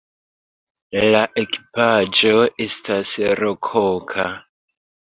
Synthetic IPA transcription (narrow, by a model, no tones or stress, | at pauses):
laʔeki̥pad͡ʒo̞estasɾokʰokʰa